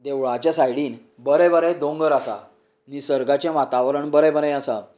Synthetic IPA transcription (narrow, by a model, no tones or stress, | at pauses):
d̪eʋɭat͡ɕasajɽiːn | bəɾɛbəɾɛ̃d̪õŋɡəɾasa̰ | nisəɾɡat͡ɕɛ̃ʋat̪aʋɾəɳbəɾɛbəɾɛ̃asa